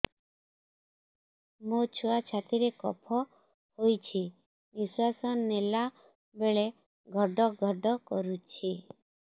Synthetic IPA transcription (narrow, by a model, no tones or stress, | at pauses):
mot͡ʃʰuat͡ʃʰat̪iɾekɔ̰pʰɔ | hojt͡ʃʰi | niswasɔnnela | beɭe | ɡʱɔɖɔɡʱɔɖɔkɔɾut͡ʃʰi